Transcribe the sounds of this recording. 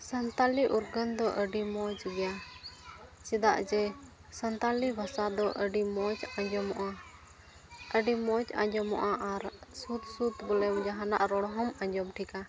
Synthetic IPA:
sənt̪aliʔuɾɡənd̪ɔʔəɖimɔd͡ʒɡɛja | t͡ʃid̪aʔd͡ʒɛ | sənt̪alibʱasad̪ɔʔəɖimɔd͡ʒaɲd͡ʒɔmɔʔa | əɖimɔd͡ʒa̰ɲd͡ʒɔmɔ̰ʔaʔaɾsut̪sut̪bɔlɛmd͡ʒaɦana̰ʔɾɔɽ̃ɔɦɔmaɲd͡ʒɔmʈʰika

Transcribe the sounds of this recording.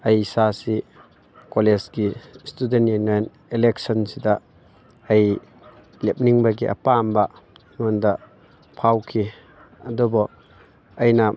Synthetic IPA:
ɐjsasi | koled͡ʒɡistudentjenajn | elek̚sɔnsidɐː | j | lep̚niŋbɐɡiʔɐ̰pambɐ | ŋɔndɐ | pʰawkʰi | ɐdɔbɔ | ɐjnɐ

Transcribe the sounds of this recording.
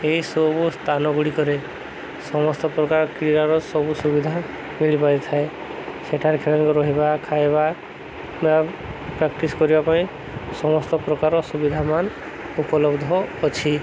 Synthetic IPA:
ejsɔbust̪ʰanɔɡuɽikɔɾe | sɔmɔst̪ɔpɾɔkaɾkɾiɾaɾɔsɔbusubid̪ʱa | miɭipajt̪ʰae | seʈʰaɾkʰelɔnkɔɾɔɦibakʰajba | ba | pɾakʈiskɔɾibapaĩ | sɔmɔst̪ɔpɾɔkaɾɔsubid̪ʱaman | upɔlɔbd̪ʱɔːt͡ʃʰi

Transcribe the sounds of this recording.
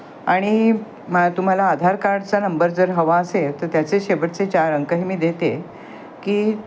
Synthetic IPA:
aɽ̃i | t̪um̤alaːd̪ʱaɾkaɾɖt͡sanəmbəɾd͡zəɾɦəʋaəset̪əɾt̪jat͡seɕeʋəʈt͡set͡ɕaɾəŋkəɦimiːd̪et̪e | kiː

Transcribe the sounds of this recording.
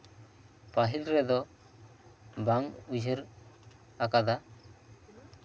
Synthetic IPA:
paɦilɾɛd̪ɔ | baŋud͡ʒʱəɾ | akad̪a

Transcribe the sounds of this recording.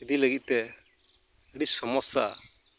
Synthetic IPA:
ed̪iləɡit̪̚ˀt̪ɛ | əɽisɔmɔsa̰

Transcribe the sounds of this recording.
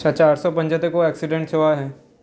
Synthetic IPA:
at͡ʃaːɾsɔpɐ̃ɲd͡ʒat̪əkoɛːksɪɖẽɳʈ̚t͡ʃʰɐʋaɦɛː

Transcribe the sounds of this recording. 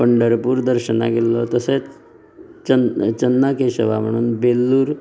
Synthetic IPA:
pəɳɖəɾpuɾd̪əɾʃəna̰kelːot̪ɐse | t͡ʃənt͡ʃənːakeʃəʋam̤əɳ̃uːnbelːuːɾ

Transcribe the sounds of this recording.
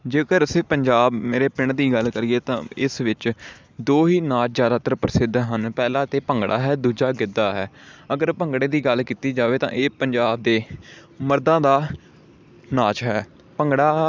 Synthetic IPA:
d͡ʒeːkəɾəseːpəɲd͡ʒaːbmeːɾeːpɪɳd̪iːɡəlkəɾieːt̪ã̰ːɪsʋɪt͡ʃ | d̪oːɦiːnaːt͡ʃzjaːd̪aːt̪əɾpəɾəsɪd̪ɦənpɛːlãːt̪eːpəŋɡɽa̰ːɦɛːd̪uːd͡ʒaːɡɪd̪aːɦɛːəɡəɾpəŋɡɽeːd̪iːɡəlkiːt̪iːd͡ʒaːʋeːt̪ã̰ːʔeːpəɲd͡ʒaːb̚d̪eː | məɾd̪ãːd̪aː | naːt͡ʃɦɛː | pəŋɡɽaː

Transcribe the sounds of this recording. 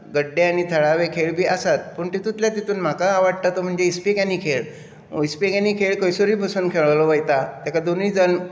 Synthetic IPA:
ɡəɖːeañit̪ʰəɭaʋekʰeɭbʱiːʔasat̪̚pəɳt̪it̪ut̪ljat̪it̪uːnm̤akaːʋaɽ̚t̪at̪om̤əɳd͡zeispekaniːkʰeɭ | ispikaniːkʰeɭkəjsoɾiːbʱəsənkʰeɭlɔʋəjt̪at̪jakad̪oniːd͡zən

